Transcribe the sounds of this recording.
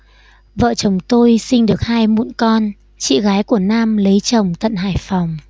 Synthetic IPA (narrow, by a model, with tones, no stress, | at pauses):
və̰ː˧˨t͡ɕə˨˩wŋ͡mt̪o˧jsï˧ŋ̟ɗɨ˨˩ək̚haː˧jmṵ˧˥nkɔ˧n | t͡ɕḭ˧˨ɣaː˨˦jku˧˩ənaː˧mlə˨˦jt͡ɕə˨˩wŋ͡mt̪ə̰˧˨nɦa̰ː˧˩jfɔ˨˩wŋ͡m